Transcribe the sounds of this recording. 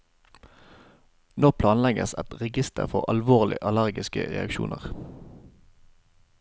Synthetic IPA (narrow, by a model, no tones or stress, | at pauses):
noːpʰlɑːnlɛɡəsɛt̪ʁɛɡɪst̪ʰəʁfɔʁɑlʋoːʁlɪ̰ʔɑlæʁɡɪskə̰ʁɛ̰ɑkʃṵːnəʁ